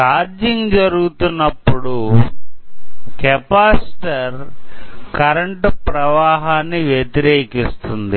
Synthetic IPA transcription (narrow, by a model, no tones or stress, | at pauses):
kaːɾd͡ʒiŋd͡ʒɐɾuɡut̪unːɐpːuɽu | kɛpaːsʈɐɾ | kɐɾɐɳʈpɾɐʋaːɦaːnːiʋjet̪iɾeːkist̪und̪i